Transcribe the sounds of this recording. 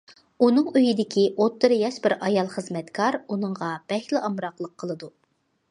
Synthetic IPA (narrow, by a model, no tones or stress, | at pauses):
unɨŋøjid̪ɪkʲiʔot̪ːɨɾɨjɑʃbɪɾʔɑjɑlˠχəzmɛt̪kʰɑɾunɨɴʁɑb̥ɛhlɪʔɑmɾɑqlˠəqʰːəlˠɨd̪u